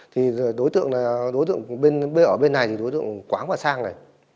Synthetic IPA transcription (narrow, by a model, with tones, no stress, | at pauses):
t̪ʰi˨˩˨ɗo˨˦jt̪ɨ̰˧˨əŋna˨˩ɗo˨˦jt̪ɨ̰˧˨əŋɓe˧nɓe˧ʔəː˧˩ɓe˧nːa˨˩jt̪ʰi˨˩ɗo˨˦jt̪ɨ̰˧˨ə˨ŋkwaː˨˦ŋvaː˨˩saː˧ŋnə˨˩j